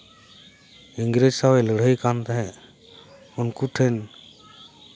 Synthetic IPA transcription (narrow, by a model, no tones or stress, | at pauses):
iŋɡɾed͡ʒsawɛləɽ̤əjkant̪aɦɛ | unkuʈʰɛn